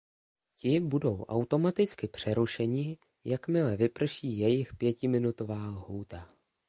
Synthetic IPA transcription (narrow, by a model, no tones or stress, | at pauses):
cɪbudo̞wʔa̰wt̪o̞mat̪ɪt͡skɪpr̥ɛɾuʃɛɲɪ | jakmɪlɛvɪpr̩ʃiːjɛjɪxpjɛcɪmɪnut̪o̞vaːlhuːt̪a